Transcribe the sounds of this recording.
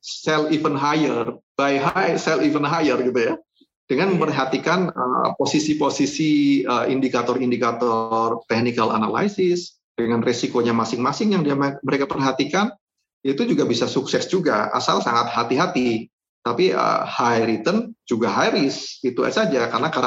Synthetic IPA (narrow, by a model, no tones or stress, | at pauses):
sɛlifənɦajərb̥ajɦajsɛlivənɦajərɡit̪uja | d̥əŋanməmpərɦat̪ikanə̰posisiposisiəindikat̪ɔrindikat̪ɔrt̪ɛk̚nikala̰na̰la̰isɪs | d̥əŋanresikoɲamasɪŋmasɪŋjaŋdiamməɾekapərɦat̪ikan | ait̪ud͡ʒuɡabisasuksɛsd͡ʒuɡa̰a̰sa̰lsa̰ŋat̪hat̪iɦat̪i | t̪apiə̰hajɾit̪ənd͡ʒuɡaɦajɾɪsit̪ua̰sad͡ʒakaɾənaka